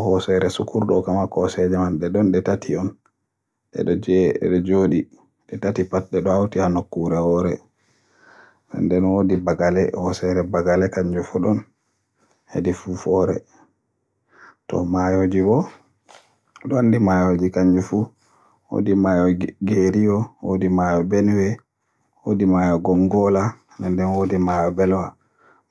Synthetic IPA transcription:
hɔsɛɾɛsukuɾɗɔkamakɔsɛd͡ʒɛmanɗɛɗɔnɗɛtatʰiɔn | ɗɛ̰ɗɔd͡ʒɛɛ̰ɗɔd͡ʒoɗi | ɗɛtatipat̚ɗɛɗɔawtihanokːuɾɛwɔɾɛ | nɛ̰ndɛnwodibaɡalɛhɔsɛɾɛbaɡalɛkaɲd͡ʒufuɗɔn | hḛdifufɔɾɛ̰ | tɔ̰majod͡ʒibɔ | ɗɔandimajod͡ʒikaɲd͡ʒufu | wo̰dimajɔɡeɾijɔwodimajɔbɛnwɛ | wodimajɔɡɔŋɡɔla | nɛndɛnwodimajɔbɛlwa

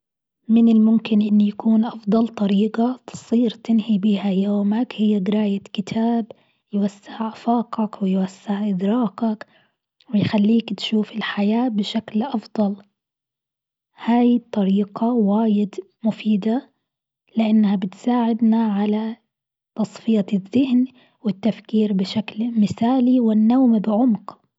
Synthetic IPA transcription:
mɪnɪlmʊmkɪnʔɪnːujakuːnʔɑfd̪ˤɑlt̪ˤɑɾiːɡat̪ɨ̥sˤiːɾt̪ɪnhibiːhajoːmakhɪjːaɡɪɾaːjakɪt̪ʰaːb | jwasːɪʕʔafɑːqɑkwɪjwasːɪʕʔɪd̪ɾɑːqɑk | wɪjxalːiːkt̪ʃuːfɪlħajaːbɪʃaklʔɑfd̪ˤɑl | haːjt̪ˤːɑɾiːqɑwaːjɪd̪ | mʊfiːd̪a | lɪʔanːhabɪt̪saːʕɪd̪naʕala | t̪ɑsˤfɪjaðːɪhn | wɪt̪ːafkiːɾbɪʃaklmɪθaːliwɪnːawmbɪʕʊmq

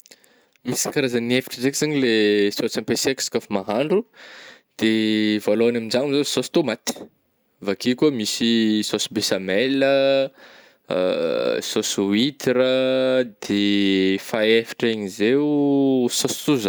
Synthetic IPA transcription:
misi̥kaɾazəniefi̥ʈ͡ʂəzekz̥aɲilesot͡sampesekskafimaɦaɳɖ͡ʐu | d̪̥evaloanamind͡ʒaŋuzesost̪umat̪i̥ | vakikʲumisisosi̥besamelə | sosuit̪iɾəd̪̥efaefi̥ʈ͡ʂeɲizewusostuza

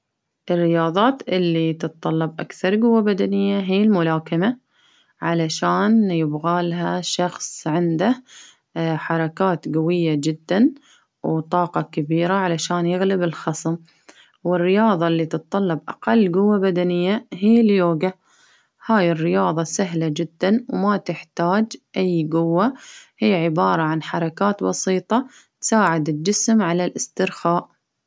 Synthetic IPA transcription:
ʔɪrːɪjɑːðˤɑːt̪ʔɪlːit̪ɨt̪̚ˤt̪ˤːɑlːɑbʔa̰kθɑɾˤɡʊwːabad̪anɪjːaɦiːlmʊlaːkama | ʕalaʃaːnjɪbɣaːlɦaʃɑxsˤʕɪnd̪a | ħɑɾˤɑkaːt̪ɡawɪjːad͡ʒɪd̪ːan | wt̪ˤɑːqɑkabiːɾaʕalaʃaːnjɪɣlɪbɪlxɑsˤm | wɪrːɪjɑːðˤɑlːit̪ɨt̪̚ˤːɑlːɑbʔɑ̰qɑlːɡʊwːabad̪anɪjːaɦiːljoːɡa | haːjɪrːɪjɑːðˤɑsaɦlad͡ʒɪd̪ːanwmat̪ɪħt̪aːd͡ʒʔajɡʊwːahijːʕɪbɑːɾˤɑʕanħɑɾˤɑkaːt̪bɑsiːt̪ˤɑ | t̪saːʕɪd̪ɪld͡ʒɪsmʕalalʔɪst̪ɪɾxaːʔ

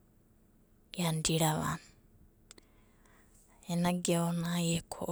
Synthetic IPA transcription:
andiɾaβa̰n | ɛnaɡɛɔnajɛkʰɔʔ

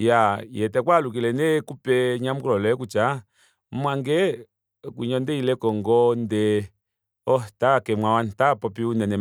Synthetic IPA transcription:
jajɛtɛkwaluk̬ilɛnɛkupɛɲamukulɔlɛkut͡ʃa | mwaŋɡɛ | kwḭɲɔndɛilɛkɔŋɡɔndɛ | ɔtakɛmwawantapɔpiunɛnɛ

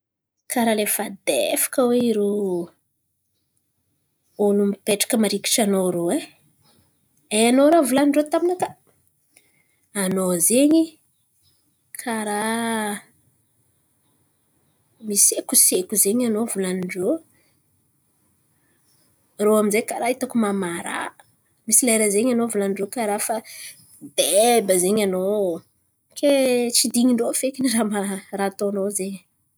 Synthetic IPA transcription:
kʰaɾalefad̪ḛfḁkəweiɾo | olumipeʈ͡ʂḁkəmaɾiki̥ʈ͡ʂanoɾoe | eanoɾavulaniɳɖ͡ʐot̪aminaka | anozeɲi | kʰaɾa | misekusekuzeɲanovulaniɳɖ͡ʐo | roaminzekaɾait̪akumamaɾa̰ | misilaɾazeɲanovulanɖ͡ʐokaɾafa | bebəzeɲano | kʰet͡sid̪iɲiɳɖ͡ʐofekiniramarat̪onozeɲ

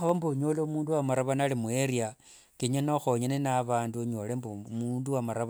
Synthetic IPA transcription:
xaβambuɲoːloumuːnduwamaɾaβanalimueɾja | kiɲanoxoɲenenaβaːnduɲolembumunduwamaɾaβ

